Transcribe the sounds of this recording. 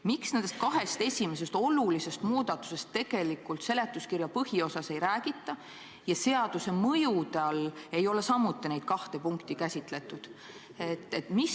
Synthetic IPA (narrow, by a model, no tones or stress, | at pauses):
miksne̞nd̪est̪̚kɑɦe̞st̪e̞sʲime̞s̬e̞st̪o̞lulise̞st̪muːd̪̥ɑt̪ːˑu̥se̞st̪ːe̞ɡ̥e̞likˑult̪se̞le̞t̪ːˑuskirjɑpɤhio̞sɑse̞jɾæːɡ̥it̪ˑːɑ | jɑse̞ɑd̪̥use̞mɤjud̪eɑle̞jo̞le̞sɑmːut̪ːˑinejd̪̥̚kɑht̪e̞puŋkt̪ikæsʲit̪ˑle̞t̪ːˑud̪̥ | et̪ːˑet̪mi